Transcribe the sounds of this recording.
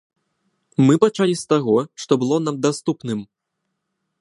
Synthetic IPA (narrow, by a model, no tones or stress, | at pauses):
mɨpat͡ʂalʲist̪aɣɔʂt̪ɔbɨlˠɔnamd̪ast̪upnɨm